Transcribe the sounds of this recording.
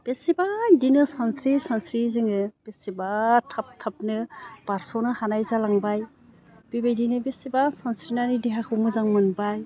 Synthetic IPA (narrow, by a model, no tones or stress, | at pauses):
b̥esibadinɯsansɾisansɾizɯŋɯb̥esibatʰap̚tʰap̚nɯb̥aɾsɔnɯhanajzalaŋbaj | b̥ibajdinɯbesibasansɾinanidiɦakʰɯmɯzaŋmɯnbaj